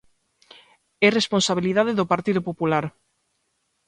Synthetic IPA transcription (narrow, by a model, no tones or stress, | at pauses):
ɛresponsaβ̞iliðaðeðopaɾt̪iðʊpopulaɾ